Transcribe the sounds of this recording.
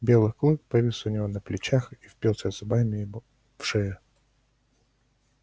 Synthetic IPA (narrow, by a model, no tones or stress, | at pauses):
bʲe̞lˠɨxklˠup̚pɐvʲisʊnʲɪvo̞nəplʲɪt͡ɕaxifpʲilˠsʲəvzɐbamʲɪ | fʂɛə